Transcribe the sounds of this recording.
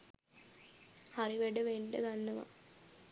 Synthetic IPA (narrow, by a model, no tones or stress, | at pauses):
haɾiʋeɖəʋeɳɖə̰ɡanːɐʋa̰